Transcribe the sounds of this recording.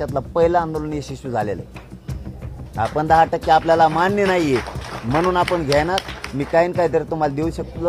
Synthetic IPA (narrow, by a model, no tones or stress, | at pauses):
at̪lapəɦilaːnd̪olunjeɕiɕud͡zʱalḛlə̰ | a̰pəɳd̪aɦaʈəkːeapljalamanːənaɦijem̤əñuːnapəɳɡʱjɛnat̪miːkaiːnkait̪əɾet̪um̤ald̪euːɕəkət̪lə